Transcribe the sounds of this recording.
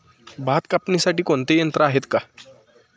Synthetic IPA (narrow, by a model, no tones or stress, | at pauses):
bat̪kapnisaʈiːkoɳt̪ejənt̪ɾəaɦet̪ka